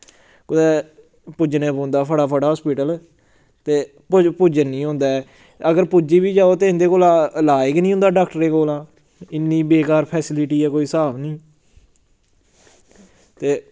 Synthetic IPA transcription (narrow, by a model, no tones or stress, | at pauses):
kʊd̪ɛː | pʊd͡ʒnẽːpõːnd̪aːpʰəɽaːpʰəɽaːɦɔːspiːʈəl | t̪eː | ppʊd͡ʒənːĩːɦõːnd̪aːɛː | əɡəɾpʊd͡ʒiːbiːd͡ʒaːoːt̪eːɪ̃nd̪eːkoːlalaːɪknĩːʊ̃nd̪aːɖaːkʈəɾẽːkoːlãː | ɪnːiːbeːkaːɾpʰɛːsɪlɪʈiːɛːkoːiːsaːʋnĩː | t̪eː